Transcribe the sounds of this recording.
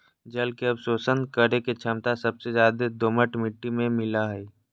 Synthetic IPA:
d͡ʒɐlkeɐbsoːsənkəɾeket͡ʃʰəmt̪asɐbsezjaːd̪ed̪oməʈmɪʈːimẽmɪlaɦɛː

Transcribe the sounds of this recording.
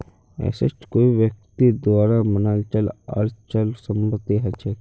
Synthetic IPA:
ɛ̰ːsə̰t͡ʃkoːiʋjək̚t̪id̪waːɾamənalt͡ʃələ̰ɾt͡ʃəlsəmpət̪ːiɦɛt͡ʃʰɛ

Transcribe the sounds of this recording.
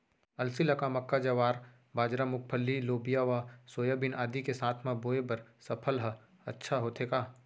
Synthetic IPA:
ɐlsilɐkamɐkːad͡ʒɐʋaːɾ | baːd͡ʒɾamʊk̚pʰəlːiloːbijaʋasoːjəbɪnʔaːd̪ikesaːt̪ʰmãboːebɐɾsɐpʰəlɦə | ɐtːʃʰaɦoːt̪ʰeːkaː

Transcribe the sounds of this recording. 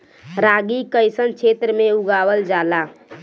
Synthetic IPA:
ɾaɡikəjsənt͡ʃʰet̪ɾəmeuɡawəld͡ʒala

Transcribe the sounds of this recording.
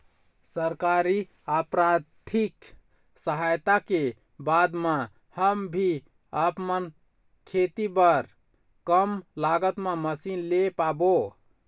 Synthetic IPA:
səɾkaɾi | apɾad̪ʰik | səɦajt̪ake | bad̪mã | həmbʱi | əpmən | kʰet̪ibəɾ | kəmlaɡət̪meməsinlepabo

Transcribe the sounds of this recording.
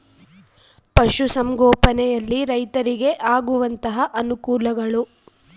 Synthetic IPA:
pɐʃusɐmɡɔːpɐnɛjɐlːiɾɐjt̪ɐɾiɡe̞ʔaːɡuʋɐnt̪ɐɦɐʔɐnukuːlɐɡɐɭu

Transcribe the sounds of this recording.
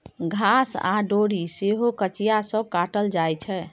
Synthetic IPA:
ɡʱasa̰ɖoɾiseɦokət͡ʃijasə̃kaʈəld͡ʒajt͡ʃʰɛ

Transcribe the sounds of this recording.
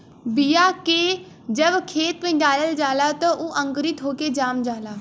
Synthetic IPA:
bɪjaːkeː | d͡ʒəbkʰeːt̪mẽːɖaːləld͡ʒaːlaːt̪ãʔoʔə̃ŋɡɾɪt̪ɦoːkeːd͡ʒaːmd͡ʒaːlaː

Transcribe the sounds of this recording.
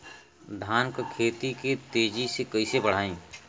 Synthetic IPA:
d̪ʱaːnkkʰeːt̪iket̪eːd͡ʒisekɐisebəɽ̤aːẽː

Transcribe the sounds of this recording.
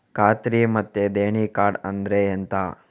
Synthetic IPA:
kaːt̪ɾimɐt̪ːed̪eːɳikaːɾɖɐnd̪ɾeent̪a

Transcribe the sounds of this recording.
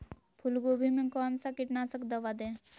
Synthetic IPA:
pʰulɡobʱimẽkɔːnsakiʈnasəkd̪ɐʋad̪e

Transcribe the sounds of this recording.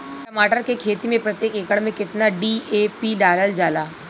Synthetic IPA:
ʈɐmaːʈəɾkekʰeːt̪imẽpɾɐt̪jeːkeːkəɽmẽkɪt̪naɖiːeːpiɖaːləld͡ʒaːlaː

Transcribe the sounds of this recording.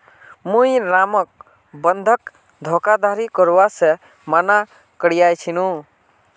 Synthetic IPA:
mũiɾamək̚ | bənd̪ʱək | d̪ʱokad̪aɾikəɾwase | mana | kəɽijajt͡ʃʰinũ

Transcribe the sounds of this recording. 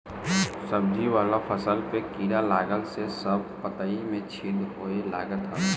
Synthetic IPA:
səb̚d͡ʒʱiʋaːlapʰəsəlpekiːɾalaːɡəlsesəb̚pət̪aimẽt͡ʃʰɪd̪ɦoːela̰ːɡət̪ɦa

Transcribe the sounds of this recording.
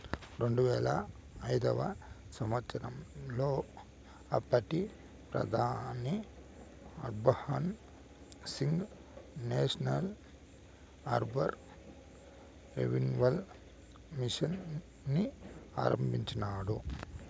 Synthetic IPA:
ɾeɳɖuʋɛːlɐ | ɐjd̪ɐʋɐ̰ | sɐmɐt̪sɐɾɐmloː | ɐpːɐʈi | pɾɐ̰d̪ʱaːni | ɐɾbɐhɐn | siŋɡ | neːʂɐnɐl | ɐɾbɐɾ | ɾḛʋinʋɐl | miʂɐnː | ia̰ːɾɐ̰mbiɲt͡ʃɐnaːɽu

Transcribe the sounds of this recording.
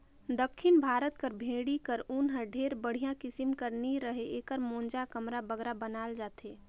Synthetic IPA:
d̪əkʰːɪnbʱaːɾət̪kəɾbʱẽːɽikəɾʊnɦəɖʱeːɾbəɽ̤ijãkɪsimkəɾniɾəɦeeːkəɾmõːnd͡ʒakəmɾabəɡɾabənaːld͡ʒaːt̪eː

